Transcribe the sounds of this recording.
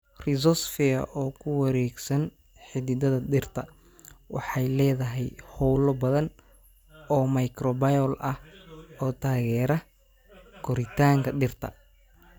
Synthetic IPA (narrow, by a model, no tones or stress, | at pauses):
rɪzɔsfɪɐ̰ʔɔːkʰʊwɐɾɛːɡsɐn | ħɪðɪd̪ɐðɐdɪrt̪ʰɐ | wɑħɑjlɛːðɐɦɛjhɔwlɔbɐðɐn | ɔːmɐjkʰrɔbɐjɔlʔɐhɔːt̪ʰaːɣɛːɾɐ | kʰɔɾɪt̪ʰaːŋkʰɐɗɪrt̪ʰɐ̰